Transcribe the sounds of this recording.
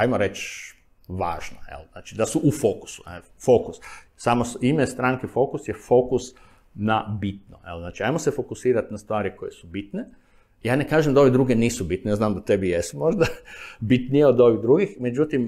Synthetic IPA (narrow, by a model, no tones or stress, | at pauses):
ajmoɾet͡ʃ | ʋa̰ːʒna̰jḛlnaːt͡ʃid̪asuʔufo̞ku̥su̥ne | fokus | saːmoimest̪ɾaŋkefo̞kusjefo̞kus | nabit̪̚no̰jelznaːt͡ʃiajmosefo̞kusiːɾat̪nast̪ʋaːɾiko̞jesubit̪ne | jaːnekaːʒemd̪ao̞ʋed̪ɾuːɡeniːsubit̪neaznaːmd̪at̪ebijest̪mo̞ʒd̪abit̪nijeod̪o̞ʋiɣd̪ɾuɡixme̞d͡ʒut̪im